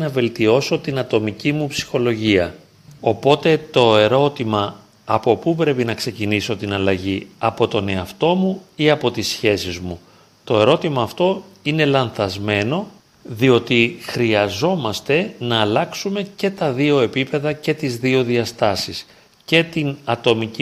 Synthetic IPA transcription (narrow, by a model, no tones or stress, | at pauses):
nɐve̞lt̪io̞so̞t̪inɐt̪o̞micimupsi̥xo̞lo̞ʝiɐ | o̞po̞t̪e̞t̪o̞e̞ɾo̞t̪imɐː | po̞pupɾe̞pinɐkse̞ciniso̞t̪inɐlɐʝiɐpo̞t̪o̞ne̞ɐft̪o̞muiɐpo̞t̪isçe̞sizmu | t̪o̞e̞ɾo̞t̪imɐːft̪o̞ine̞lɐnθɐzme̞no̞ | ðio̞t̪ixɾiɐzo̞mɐst̪e̞nɐːlɐksume̞ce̞t̪ɐðio̞e̞pipe̞ðɐce̞t̪izðio̞ðiɐst̪ɐsis | ce̞t̪inɐt̪o̞mici